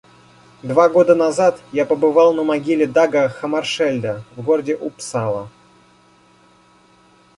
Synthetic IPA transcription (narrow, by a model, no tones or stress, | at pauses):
d̪vaɡo̞d̪ənɐzat̪japəbɨvɑlˠnəmɐɡʲilʲɪd̪aɡəxəmɐrʂɛlʲd̪əvɡoɾədʲɪʔʊpsalˠə̰